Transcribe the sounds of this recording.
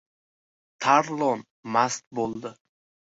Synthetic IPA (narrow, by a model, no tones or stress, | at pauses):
t̪ʰaɾlˠɔn | mast̪̚bolˠd̪ɪ